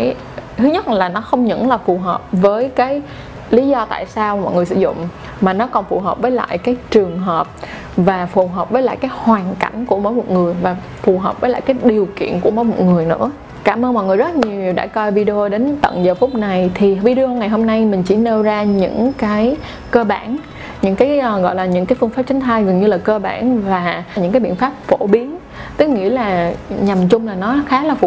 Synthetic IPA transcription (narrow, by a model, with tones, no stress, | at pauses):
j | t̪ʰɨ˨˦ɲə˦˥t̚laː˨˩nɔ˨˦xə˧wŋ͡mɲə̰˧˥ŋlaː˨˩fu˨˩ɦəː˨˩p̚vəː˨˦jkaː˨˦j | li˨˦zɔ˧t̪a̰ː˧˨jsaː˧wmɔ̰˧˨jŋɨ˨˩əsɨ̰˧˩zʊ̰˧˨ŋ͡m | maː˨˩nɔ˨˦kɔ˨˩nfu˨˩ɦəː˨˩p̚vəː˨˦jla̰ː˧˨jkaː˨˦jt͡ɕɨ˨˩əŋɦəː˨˩p̚ | vaː˨˩fu˨˩ɦəː˨˩p̚vəː˨˦jla̰ː˧˨jkaː˨˦jhwaː˨˩nka˧˩jŋ̟ku˧˩əmo̰ː˨˦jmo˨˩t̚ŋɨ˨˩əjvaː˨˩ | fu˨˩ɦəː˨˩p̚vəː˨˦laː˧˨jkaː˨˦jɗi˨˩əwkḭ˧˨ənku˧˩əmoː˨˧˦jmo̰˨˩t̚ŋɨ˨˩əjnɨ̰˧˥ə | kaː˧˩mʔəː˧nmɔ̰˧˨jŋ˨˩əzə˦˥t̚ɲi˨˩əwɗa̰ː˧˥kɔ˧vi˧ɗe˧o˧ɗe˨˦nt̪ə̰˧˨ŋzəː˨˩fʊ˦˥p̚na˨˩jt̪ʰi˨˩vi˧ɗe˧ʔo˧ŋa˨˩jɦo˧mna˧jmï˨˩ŋ̟t͡ɕḭ˧˩ne˧wzaː˧ɲɨ̰˧˥ŋkaː˨˦j | kəː˧ɓaː˧˩n | ɲɨ̰˧˥ŋkaː˨˦jʔɣɔ̰˧˨jlaː˨˩ɲɨ̰˧˥ŋkaː˨˦jfɨ˧ŋfaː˦˥p̚t͡ɕä˨˦ŋ̟t̪ʰaː˧jɣə˨˩nɲɨ˧laː˨˩kəː˧ɓa̰ː˧˩nvaː˨˩ɲɨ̰˧˥kaː˨˦ɓḭ˧˨ə˨nfaː˦˥p̚fo˧˩ɓi˨˦ən | t̪ɨ˦˥k̚ŋḭ˧˥əlaː˨˩ɲa˨˩mt͡ɕʊ˧ŋ͡mlaː˨˩nɔ˨˦xaː˨˦laː˨˩fu˨˩